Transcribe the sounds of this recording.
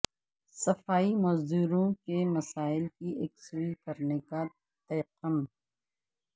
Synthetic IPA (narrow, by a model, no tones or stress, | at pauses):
sɐfaːimɔːzd̪uːɾõkemɐsaːɪlkieːksuikɐɾneka | t̪ɐjəqːəm